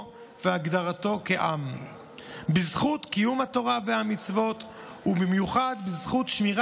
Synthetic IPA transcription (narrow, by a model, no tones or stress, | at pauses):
veaɡdaʁat̪o̞keʔam | bizχutkijumhato̞ʁavehamit͡svo̞t̪ | hubimjuχad̪bizχut̪ʃmiʁ